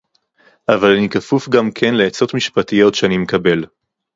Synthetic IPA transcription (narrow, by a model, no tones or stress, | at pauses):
ʔavalanikafufɡamkʰe̞nleːt͡so̞tmiʃpatijo̞tʃeanimekabe̞l